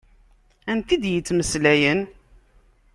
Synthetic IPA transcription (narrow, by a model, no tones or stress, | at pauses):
ænt̪id̪jət͡sːməslæjən